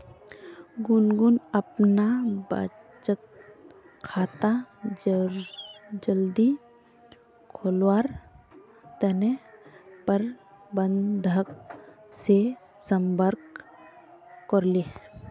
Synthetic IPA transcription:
ɡʊnɡunəpnaba̰ | t͡ʃət̪̚ | kʰaːt̪a | d͡ʒəld̪i | kʰolwaːɾ | t̪ənepəɾ | bənd̪ʱəkse | səmbəɾk | kɔɾli

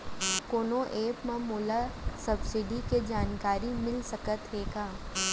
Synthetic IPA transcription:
koːnoʔeːpmãmoːlasɐbsɪɖiked͡ʒaːnkaːɾimɪlsɐkət̪ɦeːɡaː

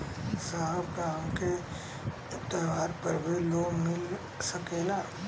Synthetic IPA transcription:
saɦəbkaːmke | t̪əːʋaːɾpəɾbeloːmɪl | səkeːlaː

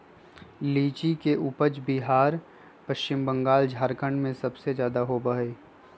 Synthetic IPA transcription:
liːt͡ʃikeʔupəd͡ʒbiɦaːɾ | pəʃt͡ʃɪmbə̃ŋɡaːld͡ʒʱaːɾkəɳɖmẽsɐbsezjaːd̪aɦobəɦeː

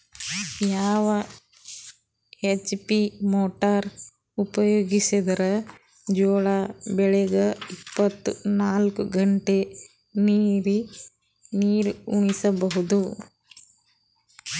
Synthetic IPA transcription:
jaːʋɐ | et͡ʃːpimoːʈɐɾ | upɐjoːɡisid̪ɐɾɐ | d͡ʒoːɭabɛɭɛɡɐipːɐt̪ːunaːlkuɡɐɳʈe | niːɾi | niːɾuɳisɐbɐɦud̪u

